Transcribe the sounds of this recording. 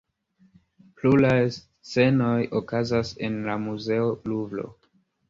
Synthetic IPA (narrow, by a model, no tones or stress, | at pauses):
pluɾajs | t͡st͡se̞no̞jokazase̞nlamuze̞olublo̞̰